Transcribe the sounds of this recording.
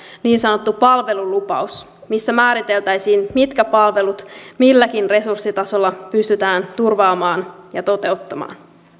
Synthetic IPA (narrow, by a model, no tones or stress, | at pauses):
niːnsɑno̞t̪ːupɑlʋe̞lulupɑ̰us | misːæmæːɾit̪e̞lt̪æjsiːnmit̪kæpɑlʋe̞lut̪milːækinre̞sursːit̪ɑso̞lːɑpyst̪yt̪æːnt̪urʋɑːmɑːnjɑt̪o̞t̪e̞ot̪ːɑmɑ̰ːn